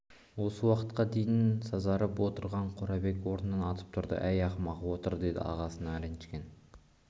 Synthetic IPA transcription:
wo̞səwɑqət̪qɑd̪e̞jɪnsɑzɑɾəpwo̞t̪əɾʁɑɴqʰoɾɑbe̞kwo̞ɾnənɑnɑt̪ʰə̥p̚t̪ʰʊɾd̪ə̰ʔæjɑχmɑʁɑwo̞t̪əɾd̪e̞d̪ɪ̰ɑ̰ʁɑsənɑæɾenʃkʲen

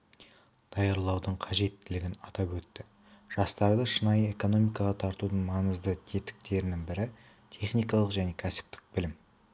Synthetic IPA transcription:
d̪̥ɑjɑɾlˠɑwd̪əɴqʰɑʒe̞t̪ːɪlɪɡʲɪnɑt̪ɑpwɵt̪ːɪ | ʒ̥ɑst̪ɑɾd̪əʃənɑje̞ko̞no̞mijkɑʁɑt̪ʰɑɾt̪ud̪əɴmɑnəzd̪ət̪ʲʰe̞t̪ɪ̥k̚t̪e̞ɾɪnɪŋbɪɾɪ | t̪ʰe̞χnijkɑlˠəqʒæne̞kʲʰæsɪ̥p̚t̪ɪ̥k̚bɪlɪm

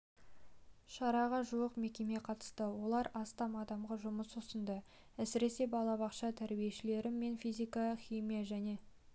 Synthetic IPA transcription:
ʃɑɾɑʁɑʒuwəqme̞kʲe̞me̞qʰɑt̪ə̥st̪əwo̞lˠɑɾɑst̪ɑmɑd̪ɑmʁɑʒʊməsosənd̪ə | æsɪɾe̞se̞bɑlˠɑbɑqʃɑt̪ʰæɾbijeʃɪle̞ɾɪme̞nfijzʲijkɑχʲijmijaʒæne̞

